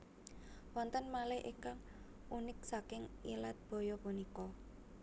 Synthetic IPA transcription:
wɔnt̪ənmalɛhʔḭŋkaŋ | unɪk̚sakɪŋilat̪̚b̥ɔ̤jɔpunikɔ

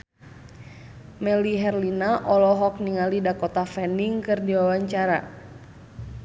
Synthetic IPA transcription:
mɛliɦɛrlinaʔɔlɔɦɔk̚niŋalidakɔt̪afɛniŋkɨrdiwawaɲt͡ʃaɾa̰

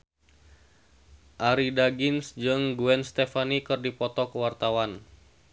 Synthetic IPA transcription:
ʔaɾidaɡinsd͡ʒɨŋɡuɛnst̪ɛfanikɨrdipɔt̪ɔkəwart̪awan

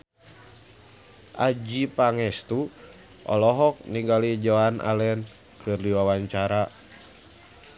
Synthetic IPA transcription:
ʔad͡ʒipaŋɛst̪u | ʔɔ̰lɔɦɔk̚niŋɡalid͡ʒɔanʔa̰lɛn | kʰɨrdiwawaɲt͡ʃaɾa

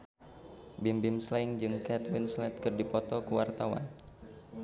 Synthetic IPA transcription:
bɪmbɪmslaɪŋd͡ʒɨŋkɛt̪wɪnslɛt̪̚kɨrdipɔt̪ɔkəwart̪awa̰n

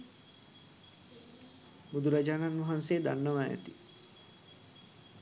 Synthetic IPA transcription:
bud̪uɾad͡ʒaːnanʋɐɦanseːd̪anːəʋaæ̰t̪i

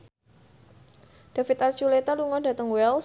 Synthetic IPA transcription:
d̥afit̪art͡ʃulet̪aluŋɔdat̪əŋwɛls

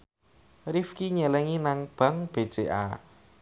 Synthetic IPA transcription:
rifkiɲɛlɛŋinaŋb̥a̤ŋb̥ed̥d͡ʒ̥eʔa̰

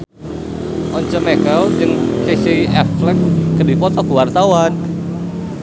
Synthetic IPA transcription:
ʔɔɲt͡ʃəmekald͡ʒɨŋkeseiɛflɛk̚kəduipɔt̪ɔkuwart̪awan

